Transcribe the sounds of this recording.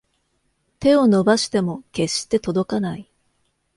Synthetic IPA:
t̪e̞o̞no̞baɕi̥t̪e̞mo̞ke̞ɕi̥t̪e̞t̪o̞d̪o̞kanai

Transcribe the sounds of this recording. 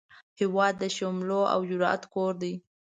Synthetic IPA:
hɪwɑd̪ːəʃomloa̰wd͡ʒʊɾɑ̰a̰t̪koɾd̪ij

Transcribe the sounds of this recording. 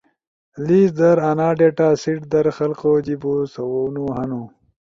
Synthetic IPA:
liːsd̪ɐɾanaːɖeʈaːsiʈd̪ɐɾxɐlqoːd͡ʑibusɐwownuɦɐnu

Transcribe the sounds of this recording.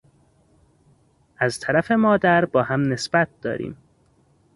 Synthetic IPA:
ʔæzt̪ʰæɾæfe̞mɒːd̪æɾbɒːhæmne̞sb̥æt̪̚d̪̥ɒ̰ːɾḭːm

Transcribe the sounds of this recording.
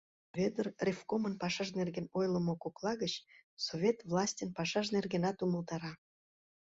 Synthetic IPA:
vʲed̪ərrʲefkomənpɑʃɑʒnerɡenojlˠə̆mokoklˠɑɣət͡ɕsovʲet̪vlˠɑsʲtʲənpɑʃɑʃnerɣenɑt̪uməlˠt̪ɑɾɑ

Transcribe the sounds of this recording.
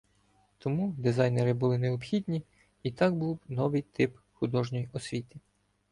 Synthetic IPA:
t̪ɔmud̪ɪzɑjneɾɪbʊlˠɪneɔpxʲid̪ʲnʲi | it̪ɑk̚buwnɔʋɪjt̪ɪp | xʊd̪ɔʒnʲɔjiʔɔsʲʋʲit̪ɪ̥

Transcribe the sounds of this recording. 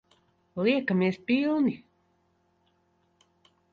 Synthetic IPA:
liekamiespilni

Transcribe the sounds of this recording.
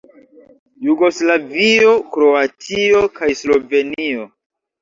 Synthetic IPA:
juɡo̞slavio̞kɾo̞atʰio̞kajslo̞ve̞nio

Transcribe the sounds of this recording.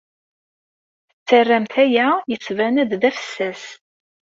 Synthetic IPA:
t͡sːərːæmt̪æjæjət͡sːvænæd̪ðæfə̥sːæs

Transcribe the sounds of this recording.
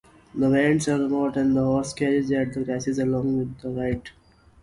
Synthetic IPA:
d̪əʋẽːɳsəɾbaʊʈɛ̃ɳd̪əɦɔːskɛɾizæʈ̚d̪əkɾaɪsɪzəlɔ̃ːŋɡʋɪd̪ːəɾaɪʈ

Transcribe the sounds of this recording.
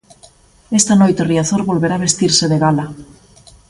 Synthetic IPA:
est̪anojt̪eriaθoɾβolβeɾaːβest̪iɾseðeɣala

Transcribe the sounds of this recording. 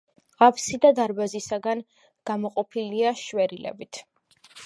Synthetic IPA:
ʁapʰsid̪ad̪aɾbazisaɡan | ɡ̥amɔqʼɔpʰiliaʃwɛɾilɛ̰bit̪ʰ

